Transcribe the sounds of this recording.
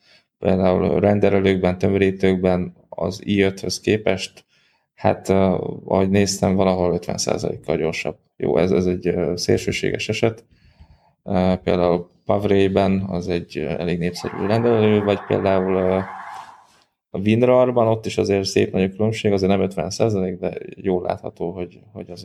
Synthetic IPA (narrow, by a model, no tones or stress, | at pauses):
peːld̪aːulrɛnd̪ɛlɛløːɡ̚bɛnt̪ømɾiːt̪øːɡbɛn | ɒ̰ziːøt̪høskeːpɛʃt̪ | ha̰t̪ːɒ̰hoɟneːst̪ɛɱvɒlɒɦo̞løt̪ʋɛ̰nsa̰ːzɒ̰lḛːkːɒlɟo̞rʃɒ̰b̥ | jo̰ːʔɛ̰zɛzɛɟːsḛːlʃø̰ːʃḛːɡɛ̰ʃɛʃɛt̪ | pḛːld̪aːul | pɒvreːjbɛnɒ̰zɛɟɛleːɡneːpsɛ̰ɾy̰ːɾɛnd̪ɛlɛløːvɒcpḛːld̪aːulː | vind̪rɒrbɒno̞t̪ːiʃɒzeːrsḛːpnɒɟokylø̞mʃeːɡɒzeːrnɛmøt̪ʋɛnsaːzɒleːɡd̪ɛ̰joːlːʔa̰ːt̪hɒt̪oːɦoɟho̞̰ɟɒz